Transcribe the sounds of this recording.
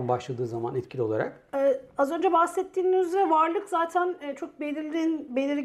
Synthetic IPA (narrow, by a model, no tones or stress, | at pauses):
nbaʃlˠad̪ɯːzamanɛt̪̚cʰilʲio̞lˠa̰ɾa̰k | ɛazø̞nd͡ʒɛbahsɛt̪ʰːiːniyzeɾɛvaɾlˠɯkzaːt̪ʰænɛːt͡ʃʰo̞k̚belʲiɾlʲinbe̞lʲiɾ